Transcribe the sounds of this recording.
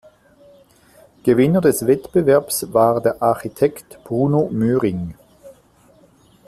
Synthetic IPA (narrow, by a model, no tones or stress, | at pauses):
ɡ̥əvɪnədɛsv̥ɛtb̥əvɛɐpsvaːʁdeːɐʔaɐxitʰɛktb̥ʁuːnomøːʁɪŋ